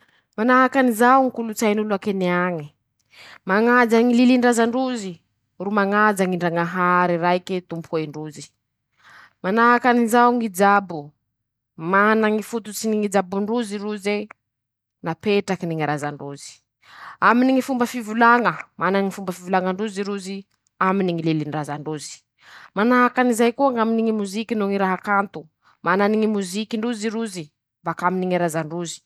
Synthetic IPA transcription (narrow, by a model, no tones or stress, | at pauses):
manaɦakanizawŋikulut͡sajnuluakeniaŋi | maŋad͡zaŋililiɳɖ͡ʐazaɳɖ͡ʐuzi | rumaŋad͡zaŋiɳɖ͡ʐaŋaɦaɾirajket̪umpʰueɳɖ͡ʐuzi | manaɦakanizawŋid͡ʒabu | manaŋifut̪ut͡siniŋid͡ʒabuɳɖ͡ʐuziruze | napeʈ͡ʂakiniŋiɾazaɳɖ͡ʐuzi̥ | aminiŋifumbəfivulaŋəmanaŋifumbəfivulaŋəɳɖ͡ʐuziɾuzi | aminiŋilelinrazaɳɖ͡ʐuzi̥ | manaɦakanizajkuaŋaminiŋimuzikinuŋiɾaɦakant̪u | mananiŋimuzikiɳɖ͡ʐuziɾuzi | mbakaminiŋiɾazaɳɖ͡ʐuzi̥